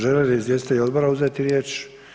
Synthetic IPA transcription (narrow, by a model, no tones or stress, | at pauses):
ʒeleliizʋjesit̪elʲo̞d̪boɾauzeːt̪iɾjeːt͡ʃ